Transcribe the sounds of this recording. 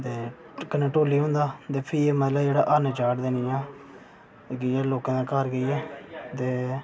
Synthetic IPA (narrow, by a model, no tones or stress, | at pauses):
t̪eː | kənẽːʈoːliːɦõːnd̪aːt̪eːpʰɪeːmət̪laːd͡ʒeːɽaːʔaːneːt͡ʃaːʈd̪eːnĩːãː | ɡɪɛːloːkãːd̪ãːkaɾɡəiːɛːt̪eː